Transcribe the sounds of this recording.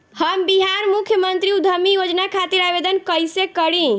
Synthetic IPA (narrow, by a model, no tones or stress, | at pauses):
həmbiɦaɾmukʰjəmənt̪ɾiud̪ʱəmijod͡ʒnakʰat̪iɾabed̪ənkəjsekəɽĩ